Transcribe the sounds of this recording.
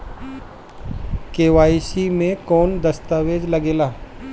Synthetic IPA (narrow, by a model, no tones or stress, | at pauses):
keːʋaːisimẽkɔːnd̪ɐst̪aːʋeːd͡ʒlɐɡeːlaː